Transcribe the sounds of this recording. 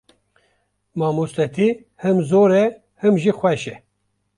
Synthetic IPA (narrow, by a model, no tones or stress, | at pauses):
mɑːmust̪ɛt̪ʰi | hɨmzoːɾɛ | hɨmʒixʷɛʃɛ